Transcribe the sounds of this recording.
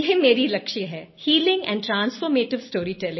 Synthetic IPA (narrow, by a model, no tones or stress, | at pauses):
jeɦmeːɾilɐkʃiɦɛːhiːlɪ̃ŋɡɛ̰̃ɳɖʈɾãːnsfɔːɾmeːʈɪʋsʈoːɾiʈɛlɪ̃ŋ